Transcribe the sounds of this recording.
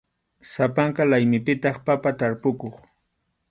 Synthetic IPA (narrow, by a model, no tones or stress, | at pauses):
sapaɴqɑlajmɪpɪt̪ɑχpapat̪aɾpʊkoχ